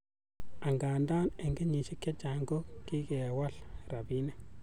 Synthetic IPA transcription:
a˨ŋɡaː˨ndaː˦ne˨ŋɡi˦ɲi˨ʃɪ˦kːɛ˦t͡ʃa˨ŋɡo˦ki˦ɡɛ˨wa˦lra˨bi˦nɛ˦

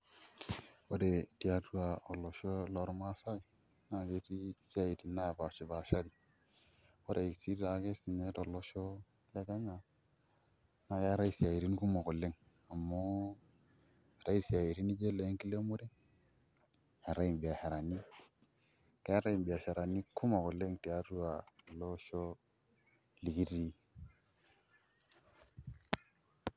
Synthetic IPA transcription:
o˦de˨ti˦ja˨tu˦ɾa˨o˨lːo˨ʃo˦lo˦ɾma˦sa˦i˨ | na˨ɡe˦ti˦si˦a˦i˨ti˨na˦ja˨ba˨t͡ʃi˨ba˨ʃa˦ɾi˨ | wo˦de˨i˨si˦a˨ɡe˦si˨ne˦to˨lːo˨ʃo˦ | le˦ka˦ɲa˨ | na˨ɡe˦ɾa˦i˦˨si˨ja˨ji˨ɾi˦n˦ku˦mo˨ko˨lːe˦ŋ | a˨mːo˦˨ | ɾa˦i˨si˨a˨ji˨ɾi˦ni˦d͡ʒe˦le˨˦ŋki˦le˦mu˦ɾe˦ | he˨ɾa˦i˨bi˨a˨he˨ɾa˨ni˦ | ka˦ɾa˦i˨bi˨a˨ʃe˨ɾa˨ni˦kʰu˦ma˨ko˨le˦ŋti˨a˦ɾu˦wa˨lo˦ʃo˦ | li˨ki˦ɾi˦

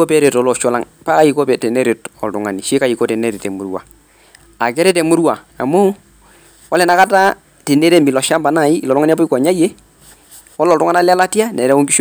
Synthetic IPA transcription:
o˦pɛ˦ɾe˨tɔ˨˦lɔ˨ʃɔ˦la˦ŋ | pa˦ka˦˨i˨kɔ˦pɛ˨tɛ˨nɛ˦ɾe˨tɔ˨ltʊ˨ŋa˨ni˨ʃɪ˦ka˨i˨kɔ˦tɛ˨nɛ˦ɾɛ˨tɛ˨mu˨ɾwa̰˨ | a˨kɛ˦ɾɛ˦tɛ˨mu˦ɾwa˨ | a˨mʊ˦ | wɔ˦lɛ˨na˨ka˦ta˦ | te˨ne˦ɾe˦mi˨lɔ˨ʃa˦mba˨na˨i˦i˨lɔ˨tʊŋa˦n˦p̬ɔ˦i˦kɔ˨ɲa˦je˦ | wɔ˦lɔ˨ltʊ˦ŋa˦na˦la˦la˦tja˦nɛ˨ɾɛ˦o˦ŋɡi˦ʃ

